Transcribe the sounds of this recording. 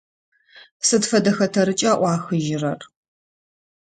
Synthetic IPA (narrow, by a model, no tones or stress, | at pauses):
sɨdfɐdɐxɐtʰɐɾɨt͡ʃʼaʔʷɑːxɨʒɪrɐr